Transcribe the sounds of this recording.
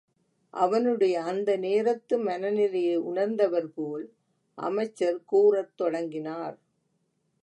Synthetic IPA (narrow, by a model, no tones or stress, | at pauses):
ʔɐʋɐnɯɽɐjɐːnd̪ɐneːɾɐt̪ːɯmɐnɐnɪlejʊɳɐɾnd̪ɐʋɐɾpoːl | ʔɐ̰mɐɪt͡ʃːɐɾkuːrɐt̪ːɔɽɐŋɡɪnaːɾ